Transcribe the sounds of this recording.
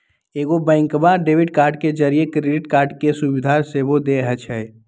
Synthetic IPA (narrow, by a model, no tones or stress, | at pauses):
eɡobɛ̃ŋkmaɖebʱiɖkaɾɖked͡ʒəɾijekɾeɖiʈkaɾɖkesubid̪ʱasebod̪eɦɛt͡ʃʰɛj